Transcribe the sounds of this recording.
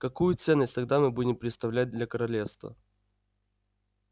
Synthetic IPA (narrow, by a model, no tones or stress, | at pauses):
kɐkujʊt̪sɛnːəsʲt̪ɐɡ̚d̪amɨbudʲɪmpɾʲɪt̪st̪ɐvlʲæt̚ʲd̪lʲɐkəɾɐlʲefst̪və̰